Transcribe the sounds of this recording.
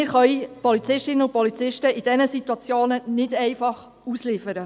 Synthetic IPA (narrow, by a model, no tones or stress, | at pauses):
ɪɾχœʏjpɔlit͡sɪʃtɪnəʊpɔlit͡sɪʃtəid̥ɛnəsit̪wɑt͡sjoːnənɪdɛɪfɑχ | uslɪfəɾə